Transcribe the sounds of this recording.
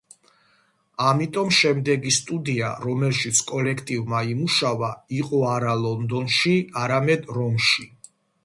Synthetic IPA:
amit̪ʼɔmʃɛmd̪ɛɡist̪ʼud̪iaɾɔmɛlˠʃit̪sʰkʼɔlɛkʰt̪ʼivmaimuʃavaiqʼɔaɾalˠɔnd̪ɔnʃiaɾamɛd̪ɾɔmʃi

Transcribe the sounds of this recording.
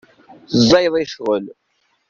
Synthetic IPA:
zˤːɑjðˤiʃʁəl

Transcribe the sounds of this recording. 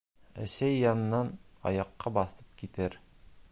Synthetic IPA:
æ̰sæjːɑnɤ̆nːɑnɒ̰jɑqːɑbɑθɤp̚kit̪ɘɾ

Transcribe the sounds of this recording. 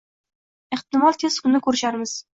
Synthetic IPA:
eχt̪ɪmɒlˠt̪ʰeskʰʊnːɪkʰɵɾɪʃaɾmɪz̥

